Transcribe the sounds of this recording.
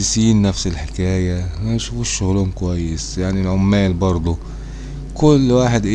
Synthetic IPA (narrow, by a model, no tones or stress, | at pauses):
ɪsiːnːæfsɪlħekæːjæmænʃuːfuʃːʊɣluːmkowæjːesjaʕnilʕomːæːlbɑɾˤd̪ˤo | kʊlːwaːħed̪ʔe